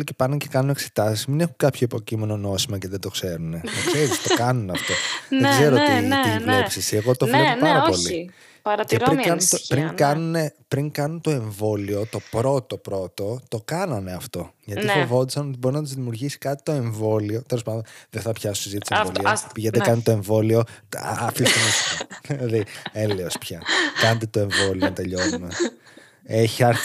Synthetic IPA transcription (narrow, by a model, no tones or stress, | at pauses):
licepɐnuncekɐnune̞kse̥t̪ɐsiszminexuŋkɐpçoipo̞cime̞no̞no̞simɐceðed̪o̞kse̞ɾune̞t̪okseɾist̪okɐnunɐft̪o̞ðeɡze̞ɾot̪iilepsisieɣo̞t̪ofepɐɾɐopo̞li | pɐɾɐtceɾɾikɐnunt̪pɾiŋkɐnune̞pɾiŋkɐnunt̪o̞e̞ɱvo̞lio̞t̪o̞pɾo̞t̪o̞pɾo̞t̪o̞t̪okɐnɐneɐft̪o̞ʝɐt̪ifovo̞t̪̬isɐno̞t̪ibo̞ɾinɐt̪uzðimiuɾʝisi̥kɐt̪i̥t̪o̞e̞ɱvo̞lio̞t̪e̞lospɐnd̪onðeθɐpçɐsosizit̪iisevoliɐspiʝed̪ekɐnɐt̪oe̞ɱvo̞lio̞ɐfist̪onist̪ik̪ɐðlilɐðieleospçɐkɐnɐt̪e̞t̪o̞e̞ɱvo̞liont̪eʎonumɐs | eçiɐɾ